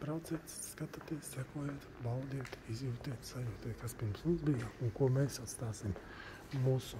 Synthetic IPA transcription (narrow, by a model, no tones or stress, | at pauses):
pɾaʊt̪sɛːt̪skat̪at̪iɛsʲsɛkuɔjet̪bald̪iɛt̪izjuːt̪iɛt̪sajuːt̪iːt̪ʲkaspiɾmsnunzbijauŋkuɔmɛːsat̪st̪aːsim | muːsʊ